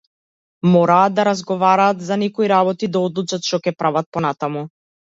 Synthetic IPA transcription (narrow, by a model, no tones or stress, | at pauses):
mɔɾaːt̪̚d̪aɾazɡɔvaɾaːt̪zanɛkɔiɾabɔt̪id̪aɔd̪lˠut͡ʃat̪ʃt̪ɔkɛpɾʔavat̪̚pɔnat̪amu